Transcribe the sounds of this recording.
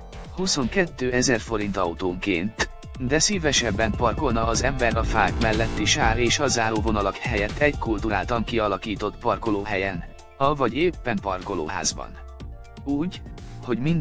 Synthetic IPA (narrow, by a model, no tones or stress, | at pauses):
huso̞ŋkɛt̪ːøːɛzɛrfo̞ɾint̪ɒut̪oːŋkeːnt̪ | d̪ɛsiːvɛʃɛbːɛmpɒrko̞lnɒːzɛmbɛɾɒfaːkmɛlːɛt̪ːiʃaːɾeːʃɒzaːɾoːvo̞nɒlɒkhɛjɛt̪ːɛɟkult̪uɾaːlt̪ɒŋkiɒlɒkiːt̪o̞t̪pɒrkoloːɦɛjɛn | ɒvɒɟeːpːɛmpɒrko̞lo̰ːɦa̰ːzbɒ̰n | uːɟho̞ɟmind̪